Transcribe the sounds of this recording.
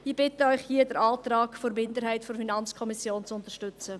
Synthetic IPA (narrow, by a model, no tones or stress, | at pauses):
ib̥ɪtəœʏχhiədəɾɑːt̪rɑːkfoɾmɪndəɾɦɛɪtfoɾfinɑnt͡skʰɔmɪsjoːnt͡sʊntəʃtʏt͡sə